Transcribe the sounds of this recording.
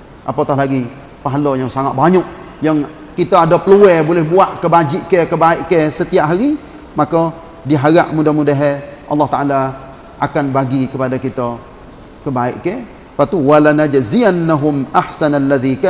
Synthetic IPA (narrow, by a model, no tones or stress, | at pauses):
ʔapat̪aɦlaɡi | paɦlɔjaŋsaŋat̪̚baɲɔʔ | jaŋ | kit̪aadapəluɛbolɛhbuaʔkəbad͡ʒiʔkɛkəbaɪʔkɛsət̪iaʔɦaɾi | makɔ | diɦaɾaʔmudahmudaɦɛʔɑ̰lːɑht̪aʔala | ʔakanbaɡikəpadakit̪ɔ | kəbaɪʔkɛ | pat̪uwalanad͡ʒzianːaɦʊmʔahsanalːaðik